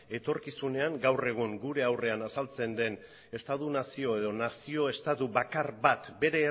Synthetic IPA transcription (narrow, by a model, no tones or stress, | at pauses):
e̞t̪o̞ɾkisune̞aŋɡawre̞ɣ̞uŋɡuɾe̞awre̞anasalt͡se̞nd̪e̞n | e̞st̪at̪unasio̞e̞ð̞o̞nasio̞e̞st̪at̪uβakaɾβat̪be̞ɾe̞ː